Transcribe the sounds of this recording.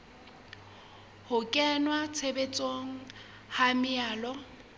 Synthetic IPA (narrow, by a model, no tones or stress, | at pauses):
hʊkʼɛnwat͡sʰebet͡sʼoŋ̩ | hamɪaːlɔ